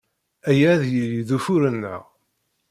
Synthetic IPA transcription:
æjæðjəliðufuɾənːə̰ʁ

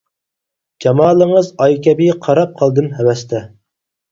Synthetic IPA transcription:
d͡ʒɑmɑːlˠəŋəzɑjkʲɛbiqʰɑɾɑp̚qʰɑlˠd̪ɨnhɛwɛst̪ʰɛ

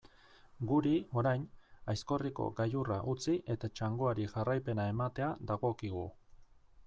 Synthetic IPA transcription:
ɡuɾio̞ɾajnajsko̞riko̞̰ɡajuraʔut͡siʔe̞t̪at͡ʃaŋɡo̞aɾiʝarajpe̞nae̞mat̪e̞ad̪aɣo̞kiɣ̞u

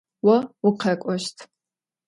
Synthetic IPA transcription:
wɐʊqʰɐkʷʼɔʃtʰ

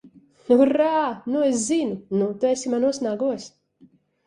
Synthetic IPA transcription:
uɾanues̬zinunut̪uesʲimanuɔsnaɡuɔs

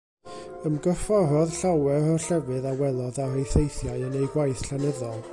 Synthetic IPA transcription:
əmɡəfɔrɔðɬawɛɾɔɬɛvɨðawɛlˠɔðarejθejθjaɨənejɡwajθɬanɛðɔlˠ

